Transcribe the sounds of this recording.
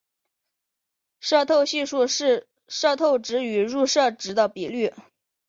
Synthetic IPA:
ʂɤ˥˧t̪ʰo˥˧ʊɕi˥˧ʂu˥˧ʂɻ̩˥˧ | ʂɤ˥˧t̪ʰo˥˩ʊʈ͡ʂɻ̩˧˥y˨˩ɻu˥˧ʂɤ˥˩ʈ͡ʂɻ̩˧˥d̪ə˧pi˨˩ly˥˩

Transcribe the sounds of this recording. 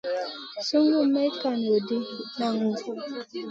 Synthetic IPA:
su˦ŋɡu˦me˦ka˨n˨o˨di˦na˦˨ŋu˦

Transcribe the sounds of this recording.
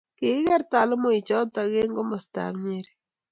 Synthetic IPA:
ke˨˦ɣɛ˦ɾta˨lo˦mo˦i˨t͡ʃɔ˦ta˨ɣe˦ŋɡo˦mo˨sta̰˨mɲeɾe

